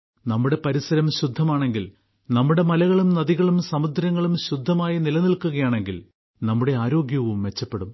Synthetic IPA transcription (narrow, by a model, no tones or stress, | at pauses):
nɐmːuɽe̞pɐɾisɐɾɐmɕud̪ʱːɐmaːɳe̞ŋɡil | nɐmːuɽe̞mɐlɐɣɐɭumnɐðiɣɐɭumsɐmud̪ʱːɾɐŋːɐɭumɕud̪ʱːɐmaːjɐnilɐnilkːuɣɐjaːɳe̞ŋɡil | nɐmːuɽe̞aːɾo̞ːɡjɐʋumʋe̞t͡ɕːɐpːe̞ɽum